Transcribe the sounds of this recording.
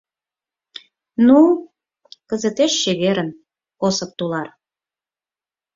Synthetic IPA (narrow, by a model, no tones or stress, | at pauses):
nu | kəzə̆t̪eʃːeβeɾən | osəp̚t̪ulɑr